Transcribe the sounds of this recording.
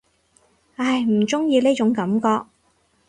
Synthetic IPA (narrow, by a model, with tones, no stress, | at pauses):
ɐ˧˩jm̩˨˩t͡sʊ˥ŋjiː˧neː˥t͡ʃʊ˨˥ŋkɐ˨˥mkɔː˧k̚